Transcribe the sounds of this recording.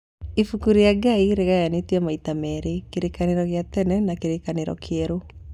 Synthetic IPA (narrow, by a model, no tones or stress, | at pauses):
ifukuɾiaɡaiɾeɣajanetwɛmaitamɛɾekeɾekaneɾɔɣjatɛnɛnakeɾekaneɾɔ̰kʰeɾo